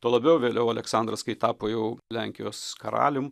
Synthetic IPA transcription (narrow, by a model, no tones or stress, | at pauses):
t̪oːlˠɐbʲɛʊʋʲeːlʲɛʊɐlʲɛksɑnd̪ɾɐskɐɪt̪ɑːpoːjɛʊlʲæŋʲkʲɪjoːskɐɾɑ̰ːlʲʊm